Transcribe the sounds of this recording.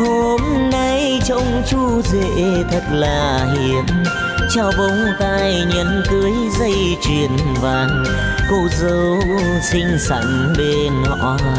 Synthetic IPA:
ho˧mna˧j | t͡ɕə˧wŋ͡mt͡ɕu˧zḛ˧˨t̪ʰə˨˩t̚laː˨˩ | hi˧˨ən | t͡ɕa˧wɓə˨˧˦wŋ͡mt̪aː˧j | ɲə˧˨˥nkɨ˨˧˦əj | zə˧j | t͡ɕwi˨˩ənvaː˨˩ | ko˧˩zə˨˦ww | sï˧ŋ̟sa̰˧˩ŋ | ɓe˧nɔ̰˧˩

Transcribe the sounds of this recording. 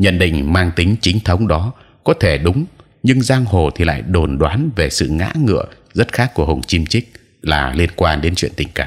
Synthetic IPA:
ɲə̰˧˨nɗḭ̈˧˨ŋ̟maː˧ŋt̪ï˨˦ŋ̟t͡ɕï˨˦ŋ̟t̪ʰə˨˦wŋ͡mɗɔ˨˦ | kɔ˨˦t̪ʰe˧˩ɗʊ˨˦ŋ͡m | ɲɨ˧ŋzaː˧ŋho˨˩t̪ʰi˨˩la̰ː˧˨jɗo˨˩nɗwaː˨˦nve˨˩sɨ̰˧˨ŋa̰ː˧˥ŋɨ̰˧˨ə | zə˦˥t̚xaː˦˥kːu˧˩əɦə˨˩wŋ͡mt͡ɕi˧mt͡ɕï˦˥k̟̚ | laː˨˩li˧ənkwaː˧nɗe˨˦nt͡ɕwḭ˧˨ənt̪i˨˩ŋ̟kaː˧˩m

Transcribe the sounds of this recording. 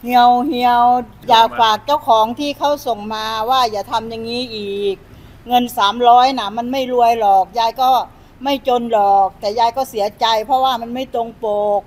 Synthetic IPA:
hi˧˩əwhi˧˩əw | jaː˨˩k̚faː˨˩k̚t͡ɕa˥˩wkʰɔː˩˦ŋt̪ʰiː˥˩kʰa˦˥˩wso˨˩ŋmaː˧waː˥˩jaː˨˩t̪ʰa˧mja˨˩ŋːiː˦˥˩ʔiː˨˩k̚ | ŋɤ˧nsaː˩˦mɾɔː˦˥jna˨˧˩ma˧nma˥˩jlu˧əjlɔː˨˩k̚jaː˧jkɔː˥˩ | ma˥˩jt͡ɕo˧nlɔː˨˩k̚t̪ɛː˨˩jaː˧jkɔː˥˩si˩˦ɐt͡ɕa˧jpʰɔ˧˥waː˥˩ma˧nma˥˩jt̪o˧ŋpoː˨˩k̚

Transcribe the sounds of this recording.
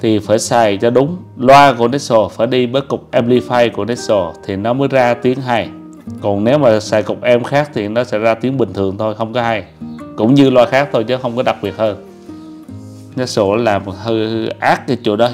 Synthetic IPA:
t̪ʰi˨˩faː˧˩jsaː˨˩jt͡ɕɔ˧ɗʊ˨˦ŋ͡mlwaː˧ku˧˩ənɛ˦˥t̚so˨˩faː˧˩jɗi˧ɓəː˨˦jkʊ˨˩k͡p̚ʔɛ˧mli˧faː˧jku˧˩ənɛ˦˥t̚so˨˩t̪ʰi˨˩nɔ˨˦məː˨˦jzaː˧t̪i˨˦əŋɦa˧˩j | kɔ˨˩nne˨˦wmaː˨˩saː˨˩jkʊ˨˩k͡p̚ʔɛ˧mxaː˦˥k̚t̪ʰi˨˩nɔ˨˦sɛ̰˧˥zaː˧t̪i˨˦əŋɓï˨˩ŋ̟t̪ʰɨ˨˩əŋt̪ʰo˧jxə˧wŋ͡mkɔ˨˦ɦa˧j | kʊ̰˧˥ŋ͡mɲɨ˧lwaː˧xaː˦˥k̚t̪ʰo˧jt͡ɕɔ˨˦xə˧wŋ͡mkɔ˨˦ɗa˨˩k͡p̚ɓi˨˩ət̚həː˧n | nɛ˦˥t̚so˧˩ɔ˨˦laː˨˩m˨hɨ˧ʔaː˦˥k̚kaː˨˦jt͡ɕṵ˧˩˨ɗɔ˨˦

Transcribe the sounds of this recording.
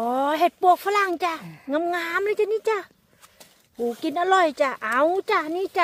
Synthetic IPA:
ʔɔː˨˧˦ɦe˨˩t̪̚pu˧˩ək̚fʰa˧˩la˧˩ŋt͡ɕa˧˩ŋa˧˥˨mŋaː˧˥˦mla˧˦t͡ɕa˧˨niː˧˥˨t͡ɕa˧˩˨ | huː˨˩ki˧nʔa˧lɔ˧˩jt͡ɕa˧˩ʔa˧˩wt͡ɕa˧˩˧niː˧˥˨t͡ɕa˧˩

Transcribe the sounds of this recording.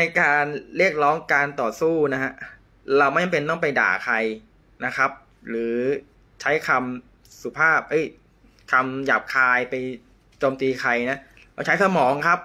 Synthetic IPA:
na˧jkaː˧nɾi˥˩ək̚ɾɔː˦˥ŋkaː˧nt̪ɔː˨˩suː˥˩na˦˥kʰa˦˥ʔ | ɾa˧wma˥˩ja˨˩pe˧nt̪ɔ˥˩ŋpa˧jda̰ː˨˩kʰa˧j | na˦˥kʰa˦˥p̚ | ɾɯː˩˦ | t͡ɕʰa˦˥jkʰa˧m | su˨˩pʰaː˥˩p̚ʔɤ˦˥˩j | kʰa˧mjaː˨˩p̚kʰaː˧jpa˧j | t͡ɕoː˧mt̪iː˧kʰa˧jna˦˥ʔ | la˧wt͡ɕʰa˦˥jsa˧mɔː˩˦ŋkʰa˦˥p̚

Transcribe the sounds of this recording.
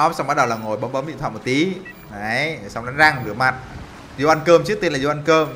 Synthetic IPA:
ɔ˨˦˥sa˧wŋ͡mɓa˦t̚ɗə˨˩wlaː˨˩ŋo˨˩jɓə˨˦mɓə˨˦mɓḭ˧˨nt̪ʰwaː˧˨m˨˩t̚t̪i˨˦ | ə˨˦jsa˨˧wŋ͡mɗa˨˦nza˧ŋɗɨ̰˨˧˩əma˨˩t̚ | zo˧ʔa˧nkəː˧mt͡ɕɨ˦˥k̚t̪e˧nlaː˨˩zo˧ʔa˧nkəː˧m

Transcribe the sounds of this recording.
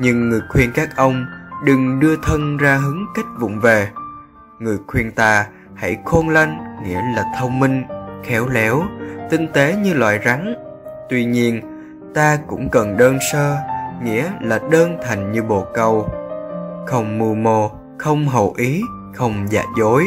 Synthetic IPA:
ɲɨ˧ŋːɨ˨˩əjkʰwi˧ənkaː˦˥k̚ʔə˧wŋ͡mɗɨ˨˩ŋɗɨ˧ət̪ʰə˧nzaː˧ɦɨ˨˦əŋka˦˥jk̟̚vʊ̰˧˨ŋ͡mve˨˩ | ŋɨ˨˩əjkʰwi˧ənt̪aː˧ | ha̰˧˩jxo˧nla˧jŋŋḭ˧˥əlaː˨˩t̪ʰə˧wŋ͡mmï˧ŋ̟xɛ˨˦wlɛ˨˦wt̪ï˧ŋ̟t̪e˨˦ɲɨ˧lwa̰ː˧˨jza˨˦n | t̪wi˧ɲi˧ən | t̪aː˧kʊ̰˧˥ŋ͡mkə˨˩nɗəː˧nsəː˧ŋḭ˧˥əlaː˨˩ɗəː˧nt̪ʰa˨˩jŋ̟ɲɨ˧ɓo˨˩kə˧˩w | xə˧wŋ͡mmu˧əmo˧˩ | xə˧wŋ͡mɦə˨˩wʔi˨˦ | xə˧wŋ͡mza̰ː˧˩t̚zo˨˦j

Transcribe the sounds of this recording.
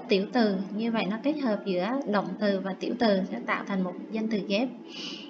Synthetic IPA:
t̪i˧˩əwt̪ɨ˨˩ɲɨ˧və̰˧˨jnɔ˨˦ke˦˥t̚həː˨˩p̚zɨ̰˧˥əɗə̰˧˨wŋ͡mt̪ɨ˨˩vaː˨˩t̪i˧˩əwt̪ɨ˨˩sɛ̰˧˥t̪a̰ː˧˨wt̪ʰa˨˩jŋ̟mo˨˩t̚zə˧nt̪ɨ˨˩ɣɛ˦˥p̚

